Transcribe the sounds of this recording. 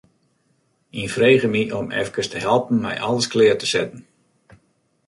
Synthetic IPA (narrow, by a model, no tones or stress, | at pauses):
infreːɣəmiʔɔmɛ̰fkəstəɦɛlˠpən̩mɛ̰jʔalˠəsklɪətəsɛtn̩